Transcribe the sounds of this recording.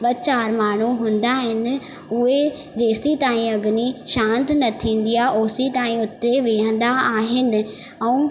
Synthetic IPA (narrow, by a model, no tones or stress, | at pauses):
ɓɐt͡ɕaːɾmaːɳ̤uɦũːn̆d̪aɦɪnɪ̆ | ʊɦe | d͡ʑeːsit̪aːĩɐɡniʃãːnt̪nɐt̪ʰĩːn̆d̪ijaʔoːsit̪aːĩʊt̪ːeʋeːə̃n̆d̪aaːɦɪnɪ̆ | ɛ̃ũː